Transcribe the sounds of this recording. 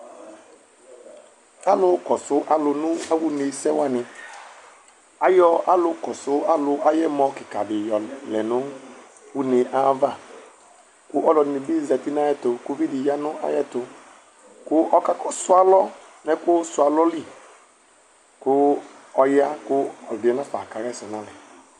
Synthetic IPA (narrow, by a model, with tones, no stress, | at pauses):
a˦lʊ˨kɔ˨sʊ˦ʔa˦lʊ˨nʊ̃˦a˦wu˦ne˨sɛ˦wa˦˨nɪ˨ | a˦jɔ˦a˦lʊ˨kɔ˨sʊ˦a˦lʊ˨ʔa˦jɛ˦mɔ˨˦kɪ˨ka̰˨dɪ˨jɔ˨lɛ̰˨nʊ̃˦ | wu˦ne˨ʔa˦va˦˨ | kʊ˦ʔɔ˦lɔ˨ne˨bi˦˨zɛ˨ti˦na˦jɛ˦tʊ˨ku˦vi˦di˨ja˦nʊ˦a̰˦jɛ˦tʊ˨ | kʊ˦ʔɔ˦ka˦kɔ˦sʊ˦a˦lɔ˦ | nɛ˦kʊ˦sʊ˨a˨lɔ˦li˦ | kʊ˦ɔ˦ja˦kʊ˦ɔ˨dɪ˨ɛ˨na˦fa˨ka˨ɾɛ˦˨sɔ˨na˦lɛ˨